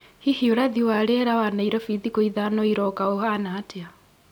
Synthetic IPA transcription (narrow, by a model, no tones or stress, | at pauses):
hihioɾaðiwaɾeɾawanaiɾɔfiðikoiðanɔiɾɔkaohanaːtea